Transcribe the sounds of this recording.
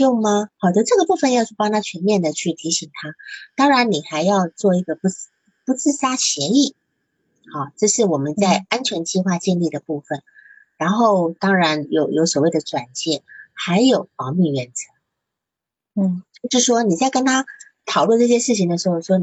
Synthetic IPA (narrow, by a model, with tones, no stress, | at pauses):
jo˥˩ʊmɐ˧xɑ˨˩ʊd̪ə˧˥ʈ͡ʂɤ˥˩ɡə˨˩pu˥˧fə˧njɑ˥˧ʊt͡ɕʰy˥˩pɑ˥ŋt̪ʰa˥t͡ɕʰɥɛ˧˥nmjɛ˥˩nd̪ə˩t͡ɕʰy˥˩t̪ʰi˧˥ɕi˨˩ŋt̪ʰa˥t̪ɑ˥ŋɻa˧˥nni˨˩xa˧˥ɪjɑ˥˧ʊt͡swɔ˥˩i˧˥ɡə˨pu˧˥ | pu˧˥t͡sɹ̩˥˧sa˥ɕjɛ˧˥i˥˩ | xɑ˥˩ʈ͡ʂɤ˥˧ʂɻ̩˥˩wɔ˨˩mə˦nt͡sa˥˩ɪa˥nt͡ɕʰɥɛ˧˥nt͡ɕi˥˧xwa˥˧t͡ɕjɛ˥˧nli˥˩d̪ə˩pu˥˩fə˩n | ɻa˧˥nxo˥˩ʊt̪ɑ˥ŋɻa˧˥njo˧˥ʊjo˧˥ʊswɔ˨˩we˥˩ɪd̪ə˩ʈ͡ʂwa˨˩nt͡ɕjɛ˥˩xa˧˥ɪjo˨˩ʊpɑ˧˥ʊmy˥˩ɥɛ˨˩nt͡sɤ˧˥˦ | t͡ɕjo˥˧ʊʂ̩˥˩ʂwɔ˥ni˨˩t͡sa˥˩ɪkə˥nt̪ʰa˥ | t̪ʰɑ˨˩ʊlwə˥˧nʈ͡ʂɤ˥˩ɕ̬jɛ˥ʂɻ̩˥˩t͡ɕʰi˧ŋd̪ə˩ʂɻ̩˧˥xo˥˧˩ʊʂwɔ˥